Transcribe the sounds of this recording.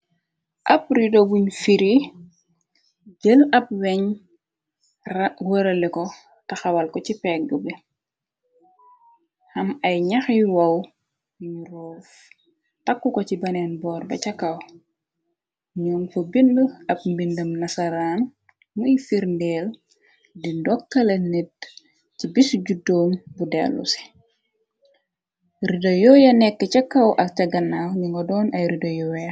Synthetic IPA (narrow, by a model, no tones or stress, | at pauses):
ʔɐpɾidobuɲfiɾi | ɟəlɐp̚wɛɲ | wɐɾɐlɛkɔ | tɐxɐwɐlkɔcipɛk̚ɡubi | hɐmɐjɲɐxjiwɐw | uɲuɾɔːf | takːukɔcibɐnɛːnbɔːrbɐ̰cɐkːɐw | ɲɔːnfobindəɐp̚mbindɐmnɐsɐɾaːn | muifiɾndɛːl | dindɔkːɐlɐnit̚ | cibisɟudɔːmbudɛ̰lːṵsɛ̥ | ridojɔjɐnɛkːəcɐkːɐwʔɐk̚cɐɡɐnːaːɲuŋɡɔdɔːnɐjridɐjɔw